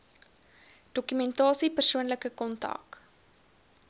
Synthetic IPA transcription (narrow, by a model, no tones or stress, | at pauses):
d̥ɔkymɛntɑːsipərsuənləkəkɔntɐ̰k